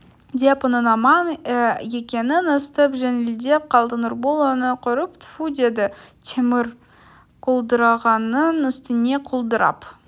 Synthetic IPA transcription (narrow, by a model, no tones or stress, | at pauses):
d̪epʊnənɑmɑnje̞kʲe̞nɪnəst̪əpʒenɪld̪e̞p̚qʰɑlˠd̪ənorbolˠonəqʰʊɾəpt̪ʰfud̪e̞d̪ɪt̪ʲʰemɪɾ | qʰolˠd̪əɾɑʁɑnənʏst̪ɪne̞qʰolˠd̪əɾɑ̰p